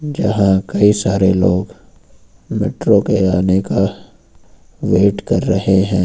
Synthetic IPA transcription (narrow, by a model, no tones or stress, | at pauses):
d͡ʒɐɦãkɐisaːɾeloːɡ | mḛːʈɾokeaːneka | ʋeːʈkɐɾːɐɦeɦɛ̃ː